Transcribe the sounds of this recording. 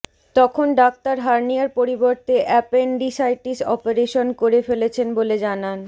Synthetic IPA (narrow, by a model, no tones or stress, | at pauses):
t̪ɔkʰonɖak̚t̪aɾɦaɾniaɾpoɾiboɾt̪eʔɛpenɖisajʈisɔ̰peɾeʃonkoɾefelet͡ɕʰenboled͡ʑanan